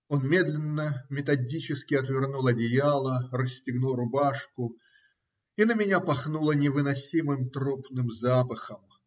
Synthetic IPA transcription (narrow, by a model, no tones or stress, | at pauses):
o̞nmʲe̞d̪lʲɪnːəmʲɪt̪ɐdʲit͡ɕɪskʲɪɐt̪vʲɪrnulˠɐdʲɪjalˠərəsʲtʲɪɡnulˠɾʊbaʂkʊ | inəmʲɪnʲapɐxnulˠənʲɪvɨnɐsʲimɨmt̪ɾopnɨmzapəxəm